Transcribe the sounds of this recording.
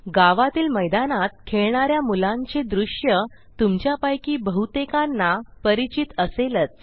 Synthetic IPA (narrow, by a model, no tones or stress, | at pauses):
ɡaʋat̪iːlməjd̪anat̪̚kʰeɭɳaɾjamulãɲt͡ɕed̪ɾuʂjə | t̪umt͡ɕjapajkiːbəɦut̪ekanːapəɾit͡ɕit̪əselət͡s̪̚